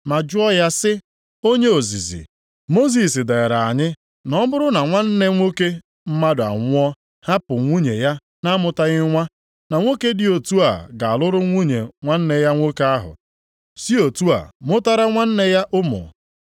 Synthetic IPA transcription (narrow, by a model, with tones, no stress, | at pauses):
ma˨d͡ʒʊ˦ɔ˦ja˦sɪ˦ | o˦ɲe˦o˨zḭ˨zḭ˨ | mo˦zi˨sɪ˨da˨e˨ɾa˨a˨ɲɪ˦ | nɔ˦bʊ˦ɾʊ˦na˨ŋʷa˦n̩˦ne˦ŋʷo˦ke˦ | m̩˦ma˦dʊ˨a̰˨ŋʷʊ˦ɔ˦ | ha˦pʊ˨ŋʷu˦ɲḛ˨ja˦ | na˦mʊ˨ta˦ɣɪ˦ŋʷa˦ | na˨ŋʷo˦ke˦dɪ˨o˨tu˦a̰˨ɡa˨a˨lʊ˦ɾʊ˦ŋʷu˦ɲḛ˨ŋʷa˦n̩˦ne˦ja˦ŋʷo˦ke˦a˦ɦʊ̰˨ | si˦o˨tu˦a̰˨mʊ˦ta˦ɾa˦ŋʷa˦n̩˦ne˦ja˦ʔʊ˦mʊ̰˨